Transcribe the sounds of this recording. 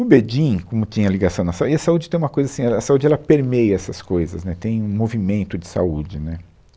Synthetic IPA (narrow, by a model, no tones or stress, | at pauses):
ʊbed͡ʒĩkõmʊt͡ʃĩɲɐliɡasɐ̃w̃nɐsauiɐsaud͡ʒɪt̪ẽj̃ũmɐkojzɐasĩɛlɐsaud͡ʒɪɛlɐpeɾmejɐɛsɐskojzɐsnɛt̪ẽj̃ũmovimẽnt̪ʊd͡ʒɪsa̰ud͡ʒɪnɛ